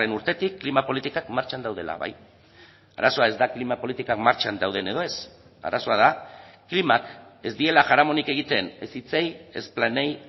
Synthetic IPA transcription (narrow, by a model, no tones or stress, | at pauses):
e̞nuɾt̪e̞t̪ikːlimapo̞lit̪ikakmaɾt͡ʃand̪awðe̞la̰βa̰j | a̰ɾaso̞ae̞zd̪aklimapo̞lit̪ikakmaɾt͡ʃand̪awð̞e̞ne̞ð̞o̞e̞s | a̰ɾaso̞aðaklimake̞zd̪ie̞laʝaɾamo̞nike̞ɣ̞it̪e̞ne̞sit͡seje̞̰splanej